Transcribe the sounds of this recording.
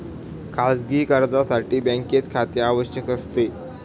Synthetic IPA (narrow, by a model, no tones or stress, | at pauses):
kʰasɡiːkəɾd̪asaʈiːbɛ̃ŋket̪kʰat̪eaʋəɕjəkəst̪e